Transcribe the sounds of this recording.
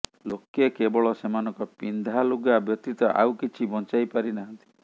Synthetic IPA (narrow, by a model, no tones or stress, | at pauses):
lokekebɔɭɔsemanɔŋkɔpind̪ʱaluɡabjɔt̪it̪ɔʔa̰wkit͡ʃʰibɔnt͡ʃajpaɾinaɦɔnt̪i̥